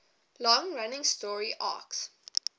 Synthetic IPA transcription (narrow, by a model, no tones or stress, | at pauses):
lɔ̃ŋɹanɪ̃ŋstɔːɹiʔa̰ːks